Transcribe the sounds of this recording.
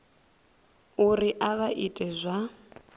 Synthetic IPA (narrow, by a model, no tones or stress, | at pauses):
uriʔaβaʔitʼɛzʷa